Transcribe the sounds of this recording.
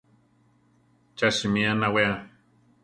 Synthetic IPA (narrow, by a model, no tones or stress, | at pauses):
t͡ʃaʃimianawea